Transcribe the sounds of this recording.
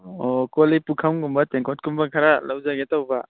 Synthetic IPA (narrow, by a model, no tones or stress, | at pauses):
okolipukʰawŋɡumbɐteŋkʰot̚kumbɐkʰaɾalawzaɡetawba